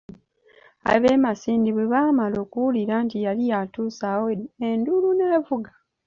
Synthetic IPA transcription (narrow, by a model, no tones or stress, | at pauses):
a̰βemasiːndiβweβaːmalo̞ːkuwuliɾaːntijalijatuːsaweenduluneːvuɡa